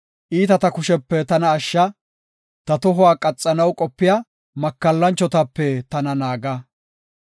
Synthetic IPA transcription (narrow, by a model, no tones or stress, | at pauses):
ʔiːt̪ɐt̪ɐkʊʃɛpːɛt̪ɐnɐːʃːɐ | t̪ɐt̪ɔɦʊwaːkʼɐt͡sʼːɐnɐwkʼɔpːɪja | mɐkːɐlːɐnt͡ʃːɔt̪ɐpːɛt̪ɐnɐnaːɡɐ